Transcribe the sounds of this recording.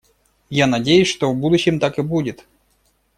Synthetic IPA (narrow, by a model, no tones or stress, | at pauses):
janɐdʲejʉsʲʂt̪ovbud̪ʊɕːɪmt̪akɨbudʲɪt̪